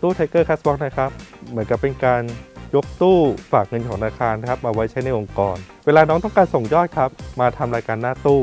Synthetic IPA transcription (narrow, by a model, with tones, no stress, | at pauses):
t̪uː˥˩t̪ʰa˧˥jkɤː˥˩kʰaː˦˥sbɔ˦˥k̚na˥˩kʰa˦˥p̚mɯ˩˦ənka˨˩pːe˧nkaː˧njo˦˥k̚t̪uː˥˩faː˨˩k̚ŋɤ˧nkʰɔː˩˦ŋa˧naː˧kʰaː˧n˦˥kʰa˦˥p̚ʔa˧wa˦˥jt͡ɕʰa˦˥jna˧˥˩jʔo˧ŋkɔː˧nweː˧laː˧nɔː˦˥ŋt̪̬ɔ˥˩kaː˧nso˨˩ŋjɔː˥˩t̪̚kʰa˦˥p̚maː˧t̪ʰa˧mɾaː˧jkaː˧nːaː˥˩t̪uː˥˩